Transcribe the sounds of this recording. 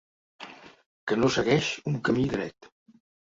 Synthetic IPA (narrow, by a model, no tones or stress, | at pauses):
kənosəɣɛʃuŋkəmiðɾɛ̰t̪